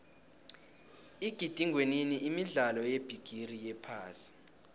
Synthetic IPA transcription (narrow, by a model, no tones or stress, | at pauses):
iɡ̥ʱid̥ʱiŋweniniʔimiɮalɔjeb̥ʱiɡ̥ʱirijɛpʰa̰ːsi̥